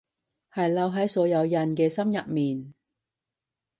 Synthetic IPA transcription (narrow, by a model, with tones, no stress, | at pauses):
hɐ˨jlɐ˧wɦɐ˨˥jsɔː˨˧˥jɐ˨˧wjɐ˨nkɛː˧sɐ˥mjɐ˨t̚miː˨n